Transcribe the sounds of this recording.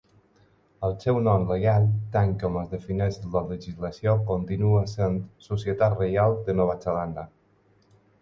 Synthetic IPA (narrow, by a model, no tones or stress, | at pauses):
əlˠsɛwnɔmleɣalˠt̪aŋkɔməzðəfinɛʃlələʒizləsjokont̪inuasent̪susjət̪at̪rejalˠd̪ənɔβ̞at͡səland̪a